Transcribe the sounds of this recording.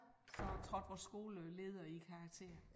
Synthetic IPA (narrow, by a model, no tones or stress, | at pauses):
sɒ̽t͡sʰʁɒd̥ʋɒsɡ̥o̝ːləle̝ːð̞ˠɐikʰɑ̈ːɡ̥̚t͡sʰe̝̰ːɐ